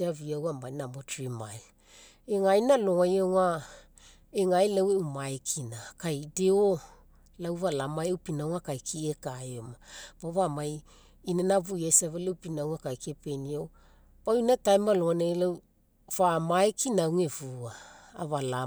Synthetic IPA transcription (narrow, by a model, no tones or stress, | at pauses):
eaviawamajnamotɾimajl | eŋajnaloŋajaŋa | eŋajlaweumaekʰinakajdeo | lawvalamaewpinawŋakajkʰiekajomabaβamaj | inanavujajsavalewpinawŋakajkepeniow | pawinatajmaloŋanelaw | vamaekinawŋevua̰ːvala